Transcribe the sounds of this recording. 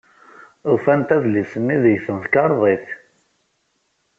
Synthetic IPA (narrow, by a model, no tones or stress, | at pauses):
ufænt̪æðlisəmːiðəjθənθkɑɾˤðˤiθ